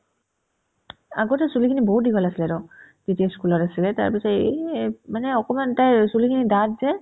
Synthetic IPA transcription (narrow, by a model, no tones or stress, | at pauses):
a̰ɡotɛsulikʰiniboɦut̚diɡɔlasilɛɾɔ | z̥itiaskulɔtasilɛta̰ɹpisɔtemanɛɔkɔmantajsulikʰinidatzɛ